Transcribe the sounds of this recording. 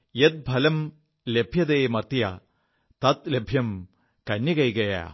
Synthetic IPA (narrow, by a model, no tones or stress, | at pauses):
jet̪̚bʱɐlɐm | lebʱjɐd̪eːmɐrt̪jɐ̰ | t̪ɐt̪lebʱjɐm | kɐnːjɐkɐjɡɐja̰